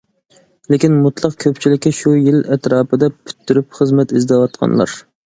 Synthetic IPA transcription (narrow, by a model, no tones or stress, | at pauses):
lekʲinmut̪lˠɑqkʲʰøpt͡ʃʰilɪkʲːɛʃujilɛt̪ɾɑːpɨd̪ɛpʰy̥t̪ʰːyɾypχəzmɛt̪izd̪ɛwɑt̪qʰɑ̰nlˠɑ̰ɾ